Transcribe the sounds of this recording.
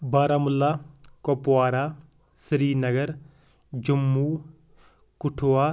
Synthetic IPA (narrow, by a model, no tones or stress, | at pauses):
baːɾaːmʊlːaːkoːpwaːɾaː | sɾiːnɐɡəɾ | d͡ʒʊmːuː | kʊʈʰoːaː